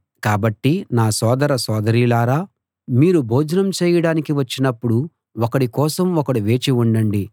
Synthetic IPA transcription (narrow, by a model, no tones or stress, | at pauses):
kaːbɐʈːinaːsɔːd̪ɐɾɐsɔːd̪ɐɾiːlaːɾaː | miːɾubʱoːd͡ʒɐnɐmt͡ʃɛːjɐɽaːnikiʋɐt͡ʃːinɐpːuɽu | ɔkɐɽikɔːsɐmɔkɐɽuʋe̞ːt͡ʃiuɳɖɐɳɖi